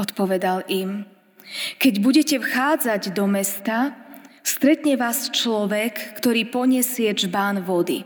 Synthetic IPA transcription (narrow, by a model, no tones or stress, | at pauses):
ɔt̪pɔʋɛd̪alim | kɛɟbuɟɛcɛfxaːd͡zaɟd̪ɔmɛst̪ast̪ɾɛt̪ɲɛʋaːst͡ʃlɔʋɛkːt̪ɔɾiːpɔɲɛsɪɛʒbaːnʋɔd̪ḭ